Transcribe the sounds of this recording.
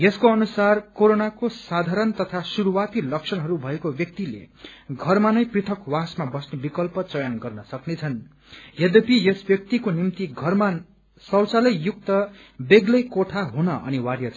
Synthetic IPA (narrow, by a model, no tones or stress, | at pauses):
jeskoʌnusarkoɾonakosad̪ʱaɾʌnt̪ʌt̪ʰasuɾuwat̪ilʌksʰʌnɦʌɾubʱʌekobjʌk̚t̪ilḛɡʱʌrmanʌjprit̪ʰʌkwasmabʌsnebikʌlpʌt͡sʌjanɡʌrnʌsʌknet͡sʰʌn | jed̪epijesbjʌk̚t̪ikonimt̪iɡʱʌrma | sʌwt͡salʌjjuk̚t̪ʌ | beɡlʌjkoʈʰaɦunʌʔʌ̰niwarjʌt͡sʰ